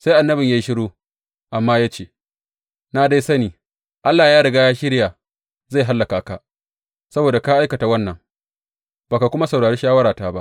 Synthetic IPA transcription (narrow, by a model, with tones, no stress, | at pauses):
sa˦jʔa˨nːɐ˦bɪ˨ɲjaː˦ʃɪ˦ɽuː˦ | ʔa˨mːaː˦jaː˦t͡ʃeː˨ | na˦da˦sɐ˦niː˨ | ʔa˦lːaː˨jaː˦ɽɐ˨ɡaː˦jaː˦ʃɪ˦ɽjaː˨ | za˦˨jɦa˦lːa˨kaː˨ka˨ | sɐ˦boː˨da˨kaː˦ʔa˦jkɐ˨ta˨wɐ˦nːɐ˨ŋ | baː˨ka˨kʷʊ˦ma˦sɐ˨wɽaː˨ɽeː˦ʃaː˦wɐ˦ɾaː˨taː˦ba˦ʔ